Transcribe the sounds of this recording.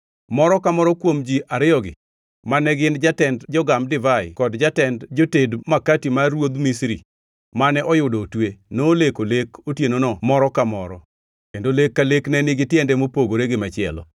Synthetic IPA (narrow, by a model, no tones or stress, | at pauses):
mɔɾɔkamɔɾɔkwomd͡ʒiaɾɪɔɡɪ̰ | manɛɡɪnd͡ʒatɛndd͡ʒɔɡamdɪvaɪkɔdd͡ʒatɛndd͡ʒotedmakatimaɾwod̪misɾi | manɛʔɔjʊdɔtwenoːlekolekotjenonɔmɔɾɔkamɔ̰ɾɔ̰ | kendolekːaleknɛnɪɡɪtɪɛndɛmopoɡoɾeɡɪmat͡ʃɪɛ̰lɔ̰